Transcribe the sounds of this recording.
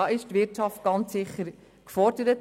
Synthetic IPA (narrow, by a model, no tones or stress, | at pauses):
ɑːɪʃtʋɪɾtʃɑftɡ̥ɑnt͡ssɪχːəɾ | kfɔɾd̥əɾət